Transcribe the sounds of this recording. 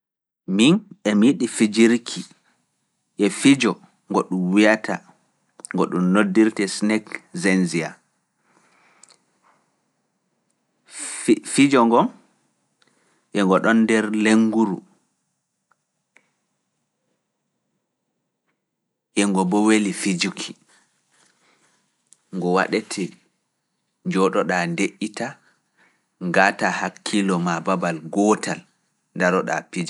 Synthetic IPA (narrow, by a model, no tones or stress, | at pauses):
minɛmiɗifid͡ʒiɾkʰi | ʔɛfid͡ʒɔ | ŋɡɔɗumwijatʰa | ŋɡɔɗumnodːiɾtɛsnɛkzɛnzia | fid͡ʒɔŋɡɔm | ʔɛŋɡɔɗɔndɛɾleŋɡuɾṵ | ʔɛŋɡɔbɔwelifid͡ʒukʰi̥ | ŋɡɔwa̰ɗɛtʰɛ | ɲd͡ʒɔɗɔɗandeʔːita | ŋɡaːtahakʰːilɔmababalɡɔːtʰal | ndaɾɔɗa̰pid͡ʒɔ